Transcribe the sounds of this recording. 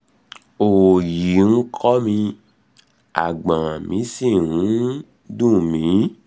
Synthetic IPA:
o˨wo˨ji˨˦ŋ̩˦kʰɔ˦mĩ˧ | a̰˨ɡ͡bã˨mĩ˨˦sĩ˦˨nũ˨˦ | dũ˦˨mĩ˨˦

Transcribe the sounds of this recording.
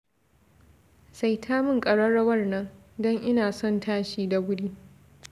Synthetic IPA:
sa˨jtʰaː˦mɪ˦ŋkʼɐ˨ɽɐ˦ɽɐ˦wɐ˦rnɐ˦ŋ | dɔ˦ŋʔɪ˦naː˨sɔ˦˨ntʰaː˦ʃiː˦da˨ɡʷʊ˦ɽiː˦

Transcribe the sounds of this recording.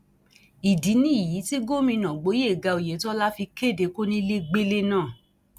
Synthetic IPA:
i˨di˨˦nĩ˦i˨ji˨˦ti˦ɡo˦˨mĩ˧nã˨ɡ͡bo˨˦e˦˨ɡa˧o˨je˨˦tɔ˦la˦fi˧ke˦˨de˨˦ko˦nĩ˦˧le˦ɡ͡be˦le˦nãː˦˨

